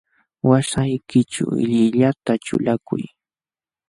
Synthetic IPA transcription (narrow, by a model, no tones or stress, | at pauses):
wasajkɪt͡ʃa̰ɪ̰ʎɪʎat̪aʈ͡ʂʊ̰lakʊ̰j